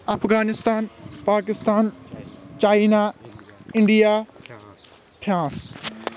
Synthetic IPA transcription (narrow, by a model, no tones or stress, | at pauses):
ɐfʰɡaːnɪst̪aːnpaːkɪst̪aːnt͡ʃaːina | ɪɳɖijaː | p̪ʰjãːs